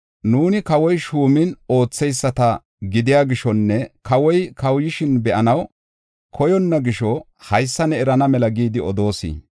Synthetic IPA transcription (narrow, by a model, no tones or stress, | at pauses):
nuːnɪkɐwɔjʃuːmɪno̞ːt͡sːɛjsːɐt̪ɐ | ɡɪd̪ɪjaːɡɪʃɔnːɛkɐwɔjkɐwjɪʃɪnbɛʔɐnɐw | kʰɔjɔnːɐɡɪʃɔ | hɐjsːɐnɛɛɾɐnɐmɛlɐɡiːd̪ɪɔd̪o̞ːsḭː